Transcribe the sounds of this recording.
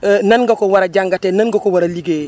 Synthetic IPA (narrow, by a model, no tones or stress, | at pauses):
nanɡakowaɾaɟaŋɡatenanɡakowaɾaliɡe